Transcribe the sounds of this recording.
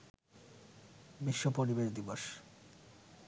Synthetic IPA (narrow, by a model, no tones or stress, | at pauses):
biʃːopoɾibeɾd̪iboʃ